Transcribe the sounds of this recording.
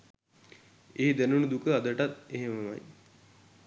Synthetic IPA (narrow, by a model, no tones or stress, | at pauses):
eɦid̪ænunud̪ukəad̪əʈat̪eɦeməma̰j